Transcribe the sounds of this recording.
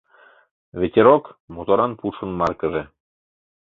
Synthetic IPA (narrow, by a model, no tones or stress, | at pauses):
βʲet̪ʲeɾokmot̪oɾɑnpuʃə̆nmɑrkəʒĕ